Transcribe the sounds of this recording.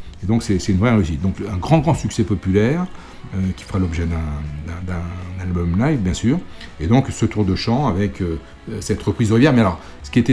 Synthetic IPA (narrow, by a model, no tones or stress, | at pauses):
ed̪ɔ̃ksɛsɛt̪ynvʁɛʁeys̬it̪̚d̪ɔ̃kɛ̃ɡʁɑ̃ɡʁɑ̃syksɛpɔpylɛʁ | økʲi̥fəʁalɔbʒɛd̪ɛ̃d̪ɛ̃d̪ɛ̃nalbɔmlajvbjɛ̃syːʁed̪ɔ̃ksət̪uʁd̪əʃɑ̃avɛkø | sɛt̪ʁəpχizɔʁivjɛʁmɛalɔʁ | sə̥kʲiet̪ɛ